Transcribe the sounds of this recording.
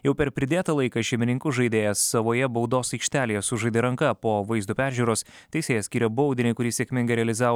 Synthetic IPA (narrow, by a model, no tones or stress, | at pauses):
jɛʊpʲɛɾpʲɾʲɪd̪ʲeːt̪ɐlˠɐɪkɐʃʲɛɪmʲɪnʲɪŋkʊʒɐɪd̪ʲeːjɛsːɐʋoːjɛbɐʊd̪oːsɐɪkʃʲt̪ʲæːlʲejɛsʊʒɐɪd̪ʲɪːɾɐŋkɐpoːʋɐɪzd̪uːpʲæːɾʲʒʲuːɾoːs | t̪ʲɛɪsʲeːjɛsʲkʲiːɾʲɛboʊd̪ʲɪnʲɛɪkʊɾʲiːsʲeɛkʲmʲɪŋɡɐɪɾʲɛɐlʲɪzɑːʋoː